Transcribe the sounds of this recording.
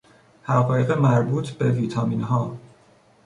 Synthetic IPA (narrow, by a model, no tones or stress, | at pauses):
hæʁɒːjeɣemæɾbuːt̪ʰb̥e̞viːt̪ʰɒːminɦɒː